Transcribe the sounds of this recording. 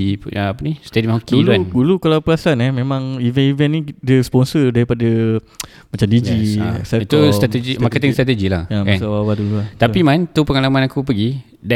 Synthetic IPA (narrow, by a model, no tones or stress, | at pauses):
ipaapənist̪edimhokdiulduadulukalawpəasanɛmẽmãŋivɛnivɛnːidəspɔnsədaɾipada | mat͡ʃamdid͡ʒisaik̪ust̪ɾat̪ed͡ʒimakət̪ɛŋt̪ɾat̪ed͡ʒilahjamansawawaduluat̪apimant̪upəŋalamãnakupəɡi | da